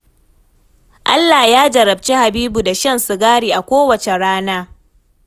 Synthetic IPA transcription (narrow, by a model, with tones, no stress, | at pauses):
ʔa˦lːa˨jaː˦d͡ʒɐ˨ɾɐ˨b̚t͡ʃi˦ha˨biː˦bu˨da˨ʃɐ˦nsʊ˨ɡaː˦ɽiː˨ʔa˨kʷoː˦wɐ˨t͡ʃe˨ɽaː˦naː˦